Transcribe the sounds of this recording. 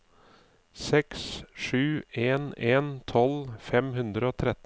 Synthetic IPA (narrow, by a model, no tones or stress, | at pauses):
sɛksʂʉːʔeːneːnt̪ʰɔlfɛmhʉnd̪ɾəoːt̪ʰɾɛt̪